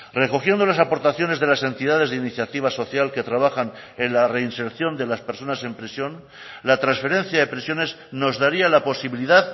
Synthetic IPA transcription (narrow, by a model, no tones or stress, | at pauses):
re̞ko̞xje̞nd̪olas̬apo̞ɾt̪aθjo̞ne̞zðe̞lase̞nt̪iðað̞e̞zðeiniθjat̪iβ̞aso̞θjalke̞t̪ɾaβ̞axan | enlare̞inse̞ɾθjo̞nd̪e̞laspe̞ɾso̞nase̞mpɾesjo̞n | lat̪ɾansfe̞ɾe̞nθjaðe̞pɾesjo̞ne̞z | no̞zðaɾialapo̞siβiliðað